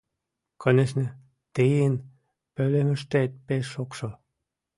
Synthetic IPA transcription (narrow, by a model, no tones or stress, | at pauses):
kʰoneʃnĕ | t̪ejen | pølemɘ̆ʃt̪et̪̚peʃokʃɤ